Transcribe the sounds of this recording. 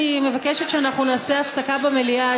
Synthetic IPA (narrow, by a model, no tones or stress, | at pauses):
ime̞vakeʃet̪ʃeanaχnunaːse̞afsakabamelia